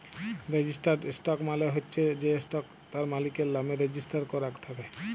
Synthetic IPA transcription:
ɾed͡ʑisʈasʈɔkmaleɦotːʃʰed͡ʑesʈɔk | t̪aɾmalikeɾlameɾed͡ʑisʈaɾkɔɾakt̪ʰabe

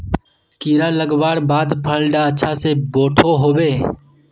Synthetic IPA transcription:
kiːɾaləɡbaːɽbaːd̪pʰəlɖaɐtːʃʰaseboːʈʰoɦoːbeː

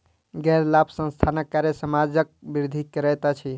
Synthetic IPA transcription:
ɡɛɾlapʰsə̃nst̪ʰanəkːaɾjəsəmad͡ʒək̚biɾd̪ʱikɾət̪at͡ʃʰi

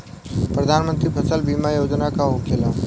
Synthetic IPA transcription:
pɾəd̪ʱaːnmə̃nt̪ɾipʰəsəlbiːmajoːd͡ʒnakaɦokʰeːlaː

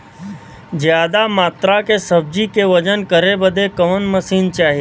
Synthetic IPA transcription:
d͡ʒjaːd̪amaːt̪ɾakesəb̚d͡ʒikeʋəd͡ʒənkəɾebəd̪ʱekɐʋənməsiːnt͡ʃaːɦie

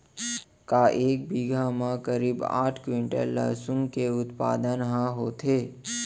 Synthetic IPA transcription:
kaʔek̚biɡʱamãkəɾiba̰ʈʰkʋiɳʈḛlə̰ɦsũŋɡkeʊt̪pa̰d̪ənɦãɦot̪ʰe

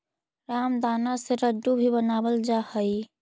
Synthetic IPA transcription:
ɾamd̪aːnaseɾəɖubʱibənaːbəld͡ʒahəi

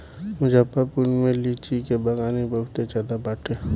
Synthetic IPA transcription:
mʊd͡ʒapːəɾpunmẽlit͡ʃikebaɡaːnibəɦʊt̪ed͡ʒaːd̪abaːʈʰe

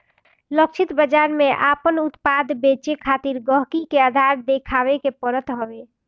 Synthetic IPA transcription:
lək̚t͡ʃʰit̪bəd͡ʒaɾmeʔapənut̪pad̪bet͡ʃekʰat̪iɾɡəɦkikead̪ʱaɾd̪ekʰaβekepəɾət̪ɦəbe

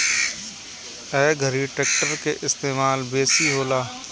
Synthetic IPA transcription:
ɛːɡʱəɾiʈeːk̚ʈəɾkeʔɪst̪eːmaːlbeːsiɦoːlaː

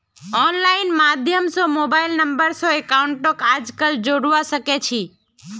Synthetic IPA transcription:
ɔnlainmad̪ʱjəmsomobailnəmbəɾsoekauɳʈokad͡ʒkəld͡ʒoɽʋaʃəket͡ʃʰi

